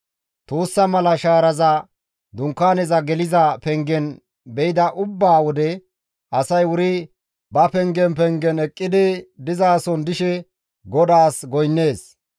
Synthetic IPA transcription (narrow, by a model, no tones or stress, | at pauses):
t̪uːsːɐmɐlɐʃaːɾɐzɐ | d̪ʊŋkːaːnɛzɐɡɛlɪzɐpɛŋɡɛn | bɛjɪd̪ɐʔʊbːaːwɔd̪ɛ | ʔɐsɐjwʊɾɪ | bɐpɛŋɡɛnpɛŋɡɛnɛkʼːɪd̪ɪd̪ɪzaːsɔnd̪ɪʃɛ | ɡɔd̪aːsɡɔjnːe̞ːs